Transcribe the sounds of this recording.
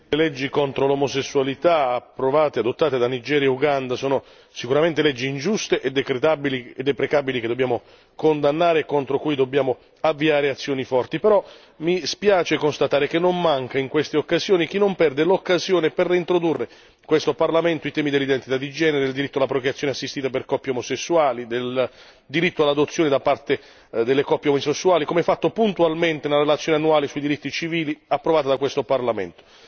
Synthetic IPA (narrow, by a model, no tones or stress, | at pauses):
lelɛd͡ʒːikont̪ɾolomosesːualit̪aapːɾovaːt̪ead̪ot̪ːaːt̪ed̪anid͡ʒɛːɾjauɡand̪asɔːno | sikuɾament̪elɛd͡ʒːiːnd͡ʒust̪eʔed̪ːekɾet̪abilied̪epɾekabiliked̪obːjaːmo | kond̪anːaːɾekːont̪ɾokujd̪objaːmo | avːiaːɾeat̪sːjoːnifɔrt̪ipɛɾɔ | mispjaːt͡ʃekonst̪at̪aːɾekenːommaŋkaiŋkwest̪eokːazjoːnik̟inːompɛrd̪elokːazjoːneperːiint̪ɾod̪urːe | kwest̪oparlament̪oit̪ɛːmid̪elːid̪ent̪it̪ad̪id͡ʒɛːneɾed̪eld̪iɾit̪ːoalapɾokɾjat̪sːjoːneasːist̪iːt̪aperkɔpjeomosesːuaːlid̪el | d̪iɾit̪ːoalːad̪ot̪sːjoːned̪apːart̪e | d̪elːekɔpːjeomosesːuaːlikomeɛfːat̪ːopunt̪ualment̪enelɾelat̪sːjoːneanːuaːlesuid̪iɾit̪ːit͡ʃiviːliapːɾovaːt̪ad̪akwest̪oparlamḛnt̪o̥